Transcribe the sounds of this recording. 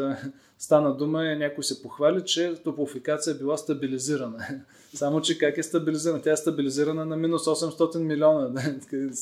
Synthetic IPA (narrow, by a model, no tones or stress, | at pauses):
st̪anəd̪uməɛnʲakojsɛpoxvalʲit͡ʃɛt̪opʊfikat̪sijəbilˠast̪ɐbiliziɾɐnə | samot͡ʃɛkakɛst̪ɐbiliziɾənət̪ʲjaɛst̪ɐbiliziɾɐnənɐminusɔsɛmst̪ɔt̪inmilʲɔnəd̪ak